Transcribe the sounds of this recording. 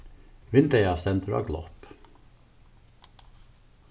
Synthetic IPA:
ʋɪnd̪ɛjɑsɛnt̪ɾɑ̰ɡlɔ̰p

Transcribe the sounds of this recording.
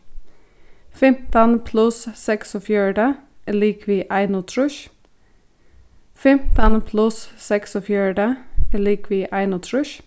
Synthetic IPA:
fɛmt̪ɑnpʰlʉssɛksoːfjøːɖeːliːkʰʋiːʔæɪnʊt̪ʰɾʉʃ | fɛmt̪ɑnpʰlʉssɛksofjøːɖeːliːkʰʋiːʔæɪnʊt̪ʰɾʉʃ

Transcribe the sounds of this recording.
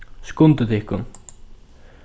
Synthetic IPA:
skʊnt̪ɪt̪ʰɪɪhkʊn

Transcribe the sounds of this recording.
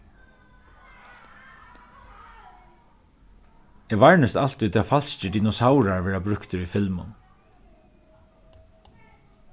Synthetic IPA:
ɛːʋaɹnəst̪al̥t̪it̪ʰafal̥scɪd̪iːnɔsawɾaɹʋɛːɹabɾʏkt̪ɪɾifɪlmʊ̰n

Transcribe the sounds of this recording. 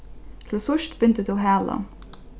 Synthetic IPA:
t̪ʰɪlsʊʃt̪bʏnt̪əd̪uɦæːla̰

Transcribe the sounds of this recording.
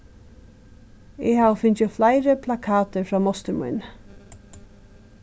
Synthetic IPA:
ɛhaːʋəfɪnt͡ʃəflajɾəpʰlakʰaːt̪əɹfɹaːmɔst̪əɾmṵjn

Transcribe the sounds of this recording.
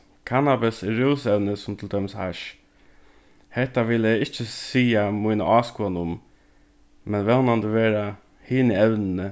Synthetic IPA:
kʰanabɪsɪɾuːsɛwnəsʊmt̪ʰɪld̪œmshaʃ | hɛt̪ːaʋɪlæɪt͡ʃːəsiːamujna̰ʔɑːskuanʊm | mɛnʋɛlnand̪əʋeːɾa | hiːnəɛwnɪnə

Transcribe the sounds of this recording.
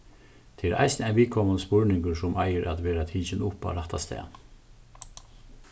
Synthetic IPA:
t̪ʰeɛɾʔa̰jsnæɪnʋiːkʰɔmanəspʊɹnɪŋkəɾsʊmʔajəɾʔæt̪ʋeːɾat̪ʰiːt͡ʃɪnʊpa̰ɾaht̪a̰st̪ɛ̰ːn

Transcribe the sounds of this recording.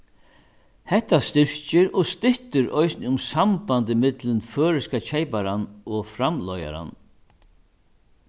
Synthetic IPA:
hɛht̪ːast̪ɪɹ̥cɪɾɔɣst̪ɪht̪ʏɾɔjsnɪʊmsampant̪ɪmɪt̪lɪnføːɾɪskat͡ɕʰɛjpaɾanɔfɾamlɔja̰ɾa̰n

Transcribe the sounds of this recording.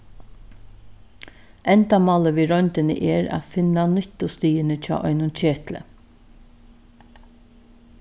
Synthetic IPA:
ɛnt̪amɑːləʋiːɾɔnt̪ɪnə̰ʔɛːɾa̰ːfɪnanʏt̪ʊst̪iːənət͡ʃʰa̰ːʔɔʏnʊnt͡ɕʰeːt̪lə̰

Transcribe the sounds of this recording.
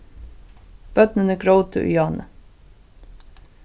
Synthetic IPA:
b̥œt̪nənəɡɹoʊt̪ʰə̰ʔʏ̰jɑːnə̰

